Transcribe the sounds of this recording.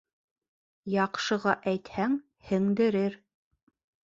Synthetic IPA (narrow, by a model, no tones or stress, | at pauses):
jɑqʃɤ̆ʁɑʔæjt̪hæŋ | hɘ̆ŋd̪ɘ̆ɾɘɾ